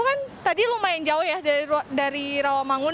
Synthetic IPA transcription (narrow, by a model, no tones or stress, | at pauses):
kant̪adilumaɪnd͡ʒaʊhjahdadaɾiɾawamaŋʊ